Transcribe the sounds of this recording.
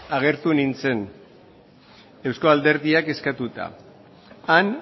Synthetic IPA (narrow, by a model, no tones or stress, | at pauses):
aɣ̞e̞ɾt̪unint͡se̞n | e̞wsko̞ald̪e̞ɾðiake̞skat̪ut̪a̰ː | n